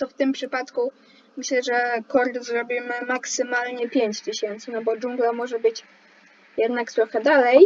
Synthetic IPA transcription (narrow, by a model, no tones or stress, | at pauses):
t̪ɔft̪ɘmpʂɘpat̪ku | mɘɕlɛʐɛkɔɾt̪zɾɔbʲimɘmaksɘmalɲɛpʲjeɲt͡ɕt̪ɘɕɛnt̪sɘnɔbɔd͡ʒuŋɡlamɔʐɛbɘt͡ɕ | jɛd̪nakt̪ɾɔxɛd̪alɛj